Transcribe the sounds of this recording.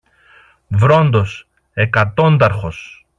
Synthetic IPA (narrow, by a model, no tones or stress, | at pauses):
vɾo̞nd̪o̞s | e̞kɐt̪o̞nd̪ɐɾxo̞s